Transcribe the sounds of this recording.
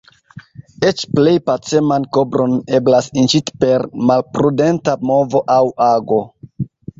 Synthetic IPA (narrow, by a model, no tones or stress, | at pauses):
et͡ʃple̞jpat͡se̞manko̞bɾo̞ne̞blasint͡ʃiti̥pe̞ɾmalpɾude̞ntamo̞vo̞ʔawaɡo̞